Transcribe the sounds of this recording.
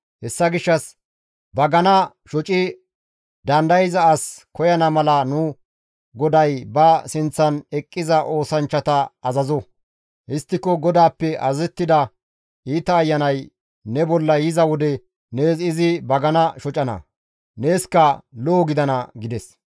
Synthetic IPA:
hɛsːɐɡɪʃːɐs | bɐɡɐnɐ | ʃɔt͡ʃʼɪ | d̪ɐnd̪ɐjɪzɐːskɔjɐnɐmɐlɐnʊ | ɡɔd̪ɐjbɐsɪnt͡sːɐnɛkʼːɪzɐʔo̞ːsɐnt͡ʃːɐt̪ɐːzɐzɔ | hɪst̪ːɪkːɔɡɔd̪aːpːɛʔɐzɛt̪ːɪd̪ɐ | iːt̪ɐːjːɐnɐj | nɛbɔlːɐjɪzɐwɔd̪ɛ | neːɪzɪbɐɡɐnɐʃɔt͡ʃʼɐnɐ̰ | neːskɐloːɡɪd̪ɐnɐɡɪd̪ɛs

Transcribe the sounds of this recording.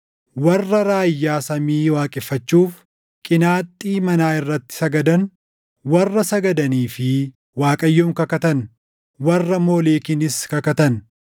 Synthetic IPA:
wɐrːɐɾaːjːaːsɐmiːwaːkʼɪfːɐt͡ʃːuːf | kʼɪnaːt̪ʼːiːmɐnaːɪrːɐt̪ːɪ̥sɐɡɐd̪ɐn | wɐrːɐsɐɡɐd̪ɐniːfɪ | waːkʼɐjːoːmkɐkɐt̪ɐn | wɐrːɐmo̞ːleːkɪnɪskɐkɐt̪ɐn

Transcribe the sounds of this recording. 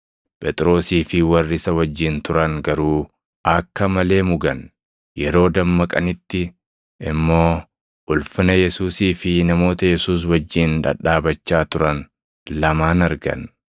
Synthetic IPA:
pʼɛt̪ʼɾo̞ːsiːfɪwɐrːɪsɐwɐd͡ʒːɪnt̪ʊɾɐŋɡɐɾuː | ɐkːɐmɐle̞ːmʊɡɐn | jɛɾo̞ːd̪ɐmːɐkʼɐnɪt̪ːɪ | ɪmːo̞ː | ʔʊlfɪnɐjɛsuːsiːfɪnɐmo̞ːt̪ɐjɛsuːs̬wɐd͡ʒːɪnᶑɐ̰ᶑaːbɐt͡ʃːaːt̪ʊɾɐn | lɐmaːnɐɾɡɐ̰n

